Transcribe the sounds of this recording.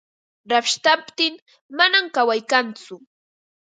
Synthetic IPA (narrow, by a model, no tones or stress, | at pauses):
ɾapʃt̪apt̪ɪŋ | manamkawajkant͡sʊ